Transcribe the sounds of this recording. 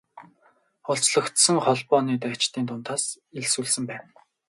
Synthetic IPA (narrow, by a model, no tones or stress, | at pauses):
ʊɬt͡sɮɞ̆kt̪sə̆ŋχɔɮpɔːniːt̪æːt͡ɕt̪iːnt̪ʰʊnt̪aːs | eɮsuːɮsɘ̆mpæːn